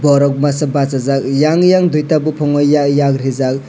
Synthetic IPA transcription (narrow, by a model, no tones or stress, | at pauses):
bɔɾɔk̚masabasazak̚jaŋjaŋdujtabupʰɔŋɔjːajakɾizak̚